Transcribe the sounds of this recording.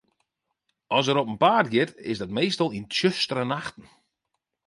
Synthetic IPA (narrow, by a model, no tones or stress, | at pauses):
ɔs̬əɾɔpənpaːrtɡɪtɪ̰sdɔt̚mejstɔlˠintjøstərənaxtn̩